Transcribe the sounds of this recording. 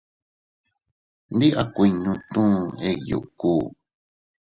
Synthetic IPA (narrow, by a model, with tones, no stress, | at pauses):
nd̪i˦ʔa˦˧kʷi˧ɲũ˧t̪ũ˦e˧jṵ˨ʔkuː˦